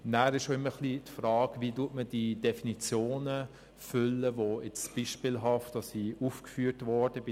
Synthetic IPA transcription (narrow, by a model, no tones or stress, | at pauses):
næːɾɪʃʃoɪmːəχlitfrɑːɡʋiːtuətməd̥iːd̥efinit͡sjoːnə | fʏlːəʋoɛt͡sb̥iːʃpilɦɑftdɑsiufkfyːəɾtvɔrd̥əbɪ